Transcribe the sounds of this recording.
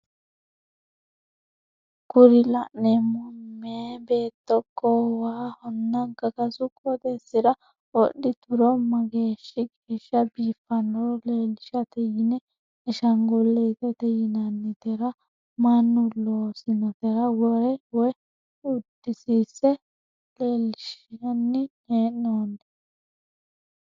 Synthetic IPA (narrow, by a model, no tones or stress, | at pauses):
kʊɾɪlɐʔnɛmʊmːeːbe̞ːt̪ːɔkʰːɔwaːhʊnːɐŋkɐkɐsʊkʼɔd̪ɛsːɪɾɐ | ɔɗːɪt̪ʊɾɔmːɐɡe̞ːʃːɪɡeːʃːɐbiːfːɐnɔɾleːlɪʃɐt̪ɛjɪnɛ | ɪʃɐŋɡɔlːɛt̪ɛt̪ɛjɪnɐnːɪt̪ɛɾɐ | mɐnːʊloːsɪnɔt̪ɛɾɐwɔɾɛwɔj | ʊd̪ːɪsiːsːɛ | leːlːɪʃɐnːɪneːnːoːnːɛ